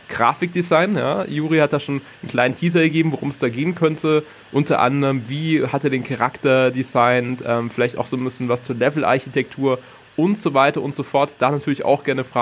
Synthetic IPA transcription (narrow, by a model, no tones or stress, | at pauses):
ɡ̥ʁa̰ːfɪk̚d̥izaɪnja̰ːjuːʁihat̚d̥aːʃoːn | n̩kl̥aɪnəntʰiːzɐɡɐɡeːbm̩voʁʊmsd̥aːɡeːənkʰœntʰə | ʔʊntɐʔa̰ndəʁəmviːhatdeːɐdeːnkʰaʁaktɐdizaɪnʔɛːmfɪlaɪçta̰ʊxz̥oːnbɪsçən̩vast͡suːɐlɛvl̩ʔa̰ɐçitʰɛk̚tʰuːɐ | ʔʊntz̥ovaɪtɐʔʊntz̥ofɔɐtd̥aːnatʰyːɐlɪça̰ʊxɡ̥ɛɐnəfʁ̥aː